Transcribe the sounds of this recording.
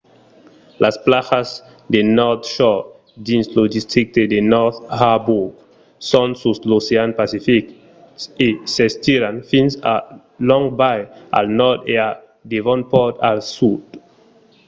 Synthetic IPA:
lʔasplasas | d̪enɔt̪ʃɔ | dĩnslodist̪ʰɾik̚t̪edenɔthabuɡ | sɔ̃nsusloseanpasifik | sesest̪iɾanfĩnsa | lɔ̃ŋbaja̰lnɔd̪ea | d̪evɔ̃npɔt̪alsud̥

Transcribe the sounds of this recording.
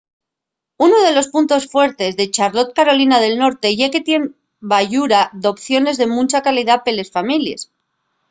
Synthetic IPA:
unoð̞e̞lo̞spunt̪o̞sfwe̞ɾt̪e̞zðe̞t͡ʃaɾlo̞t̪̚kaɾo̞linaðe̞lno̞ɾt̪e̞ʝeke̞t̪je̞m | baʝuɾaðo̞pθjo̞ne̞zðe̞mũnt͡ʃakaliðape̞le̞sfamiljes

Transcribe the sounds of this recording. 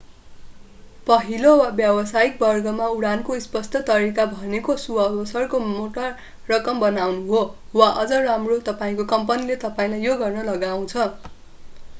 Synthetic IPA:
pʌɦilowabjʌwʌsajik̚bʌrɡʌmauɽankoispʌst̪ʰʌt̪ʌɾikabʱʌnekosuʌbʌsʌrkomoʈʌrː | ʌkʌmbʌnawnuɦo | waʔʌd͡zʌramrot̪ʌpaĩkokʌmpʌnilet̪ʌpaĩlajjoɡʌrnʌlʌɡaw̃t͡sʰʌ

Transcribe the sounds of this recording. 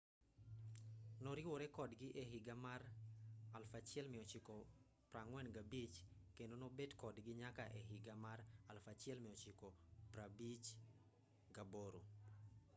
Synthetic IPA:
nɔɾɪwoɾɛkɔdɡɪʔeɦɪɡamaralfat͡ʃɪɛlmɪɔt͡ʃɪkɔ | praŋwɛnɡabit͡ʃkendonobedkɔdɡɪɲakaʔeɦɪɡamaralfat͡ʃɪɛlmɪɔt͡ʃɪkopɾabit͡ʃ | ɡaboɾo̰

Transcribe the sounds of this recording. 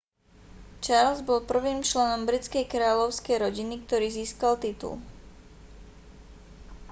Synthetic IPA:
t͡ʃaɾlzbɔlpr̩ʋiːmt͡ʃlɛnɔmbɾit͡skɛjkɾaːlɔʊskɛjɾɔɟinikt̪ɔɾiːziːskalt̪it̪ṵl

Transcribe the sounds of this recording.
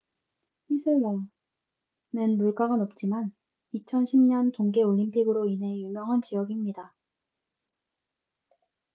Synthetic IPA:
isʰewʌ | nenmuɭk͈aɡanʌp̚t͡ɕ͈iman | it͡ɕʰʌnɕʰimɲʌntoŋɡe̞oʎːimpʰiɡɯɾoine̞jumjʌŋɦant͡ɕijʌɡimɲida

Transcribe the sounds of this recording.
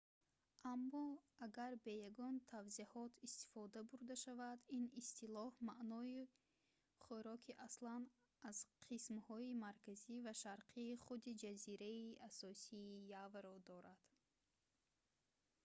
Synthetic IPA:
ʔamːɔaɡaɾbe̞jaɡɔnt̪ʰavzihɔt̪ʰist̪i̥fɔd̪abuɾd̪aʃavad̪inist̪ilɔhmaʔnɔi | χuɾɔkʰiʔaslan | az̥qʰismhɔimaɾkʰazivaʃaɾqʰiːχud̪id͡ʒaziɾaiʔasɔsiːjavaɾɔd̪ɔɾad̪̥

